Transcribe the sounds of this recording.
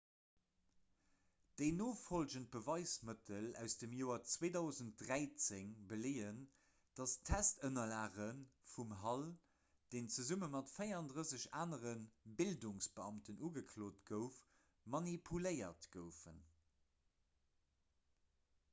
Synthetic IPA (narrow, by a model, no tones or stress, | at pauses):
d̥əɪnoːfolʑənt̚b̥əvɑɪsmətʰəlæ̰ʊsdəmjoːɐt͡sweːdɑʊzəntdʁæɪt͡seŋbəleːən | d̥ɑstʰæstənɐlaːʁənfumɦɑl | d̥eːnt͡səzumənmɑtfəɪʁɑndʁəsəɕaːnəʁənbilduŋsb̥əɑmtənʔuːɡəkʰloːtɡ̥əʊf | mɑnipʰuləɪɐ̰tɡ̥əʊfə̰n